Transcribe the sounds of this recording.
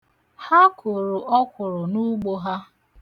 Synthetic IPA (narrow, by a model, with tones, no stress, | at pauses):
ha˦kʰʊ˨ɾʊ˨ʔɔ˦kʷʊ˨ɾʊ˨nu˦ɡ͡bo˦ɦa˦